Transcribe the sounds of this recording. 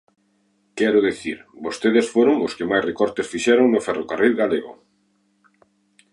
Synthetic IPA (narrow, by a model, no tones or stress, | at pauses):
kɛɾʊðeθiɾbost̪eðesfoɾoŋoskemajsrekɔɾt̪esfiʃɛɾoŋnʊfɛrokarilɣaleɣʊ̰